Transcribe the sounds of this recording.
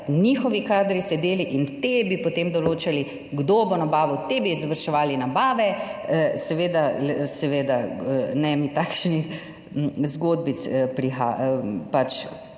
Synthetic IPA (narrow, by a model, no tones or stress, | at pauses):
niːxɔʋikaːd̪ɾisɛd̪eːliʔint̪ebipot̪eːmd̪ɔloːt͡ʃali | ɡd̪obonabaːʋɔt̪ebizʋɐɾʃɛʋaːlinabaːʋɛ | sɛʋeːd̪asɛʋeːd̪anɛmit̪aːkʃnix | zɡoːd̪̚bit̪spɾixa̰pat͡ʃ